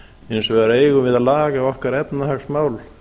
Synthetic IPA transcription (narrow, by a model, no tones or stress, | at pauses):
ensɔvɛɾaeːjɣʏmvɪðaðlaːɣaːɔhkaɾɛpnahaksmaːwl